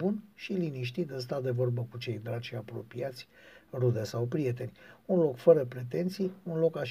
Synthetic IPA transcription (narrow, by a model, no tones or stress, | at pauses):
unʃiliniʃ̬t̪it̪ɨns̬t̪ad̪e̞vo̞rbəkut͡ʃe̞jd̪ɾaʃiapɾo̞piat̪sʲ | rud̪e̞sawpɾie̞t̪e̞nʲunlo̞kfəɾəpɾe̞t̪e̞nt̪sijunlo̞kaʃ